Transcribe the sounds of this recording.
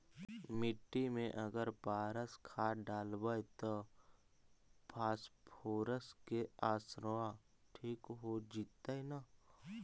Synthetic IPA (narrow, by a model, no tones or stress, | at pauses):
mɪʈːimẽʔɐɡəɾpaːɾəskʰaɖaːlbajt̪o | pʰaːspʰoːɾəskeaːsɾʋa | ʈʰiːkɦod͡ʒiːt̪ːaina